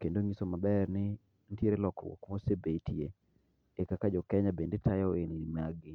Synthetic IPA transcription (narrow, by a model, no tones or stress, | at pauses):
kendoŋisomabɛrnɪ | ntjeɾelɔkɔ̰wo̰kmosebetie | ekakad͡ʒɔkɛɲabendetajɔenimaɡɪ